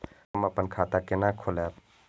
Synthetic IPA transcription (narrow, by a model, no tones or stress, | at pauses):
əməpənkʰaːt̪akɪnakʰolɛ